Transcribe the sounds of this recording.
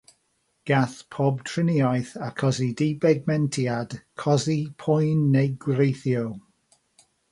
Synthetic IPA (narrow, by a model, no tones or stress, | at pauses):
ɡ̥aθpʰɔbtʰrɪniɔjθakʰɔzidibɛɡ̚mɛntʰiad̥kʰɔzipʰʊjnːejɡwrejθjow